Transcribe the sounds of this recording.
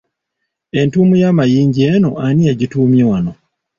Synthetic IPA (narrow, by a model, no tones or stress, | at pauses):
e̞ntuːmujaːmajiːɲɟienoʔanieɟituːmjewano̞